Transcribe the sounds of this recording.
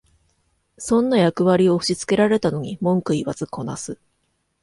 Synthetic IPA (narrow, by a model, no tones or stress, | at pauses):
sõ̞nːajakɯ̟βaɾʲio̞ɯ̟ɕit͡sɨ̥ke̞ɾaɾe̞t̪ano̞ɲ̟imõ̞ŋkɯ̟iβat͡sɨko̞nasɨ